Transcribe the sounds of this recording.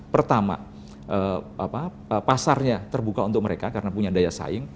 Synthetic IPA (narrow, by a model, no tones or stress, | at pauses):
pərt̪ama̰ | ʔəapa | əpasarɲat̪ərbukaunt̪ʊk̚məɾekakaɾənapuɲadajasa̰ɪŋ